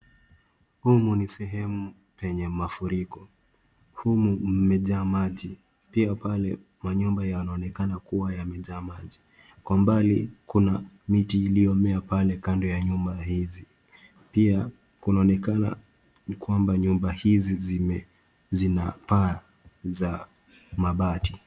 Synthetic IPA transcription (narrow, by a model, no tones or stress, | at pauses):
humunisɛɦɛmu | pɛɲɛmafuɾikɔ | humum̩mɛʄaːmaʄi | piapalɛ | maɲumbajawanaɔnɛkanakuwajamɛʄaːmaʄi | kwambalikuna | mitiːliɔmɛapalɛkandɔjaɲumbahizi | pia | kunaɔnɛkana̰ | kwambaɲumbahizizm | zinapa | za | maɓati